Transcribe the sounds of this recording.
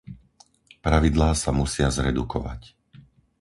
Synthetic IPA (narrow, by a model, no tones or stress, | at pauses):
pɾaʋid̪laːsamusɪazɾɛ̰d̪ukɔʋa̰c